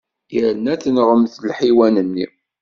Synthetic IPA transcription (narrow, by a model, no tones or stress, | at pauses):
jəɾnæθnʁəmθlħiwænənːi